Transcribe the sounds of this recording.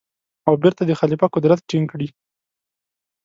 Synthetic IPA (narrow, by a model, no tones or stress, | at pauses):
awbɪɾt̪ad̪əxalipakʊd̪ɾat̪ʈiŋkɽi